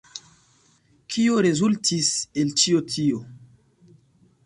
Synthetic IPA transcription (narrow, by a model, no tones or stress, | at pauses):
kʰioɾezultʰiselt͡ʃiotʰio